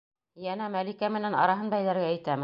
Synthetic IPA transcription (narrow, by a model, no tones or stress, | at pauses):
jænæmælikæmɘ̆nænɑ̰ɾɑɦɤnbæjðæɾɡæːjt̪æmɘ